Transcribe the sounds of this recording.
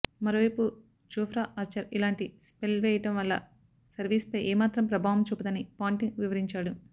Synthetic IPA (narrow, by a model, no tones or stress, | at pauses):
mɐɾoːʋɐjpu | d͡ʒoːfʰɾaːʔɐɾt͡ʃɐɾilaːɳʈispelʋɛːjɐʈɐmʋɐlːɐ̰ | sɐɾʋiːspɐjʔɛːmaːt̪ɾɐmpɾɐbʱaːʋɐmt͡ʃupːud̪ɐnipaːɳʈiŋɡʋiʋɐɾiɲt͡ʃaːɽu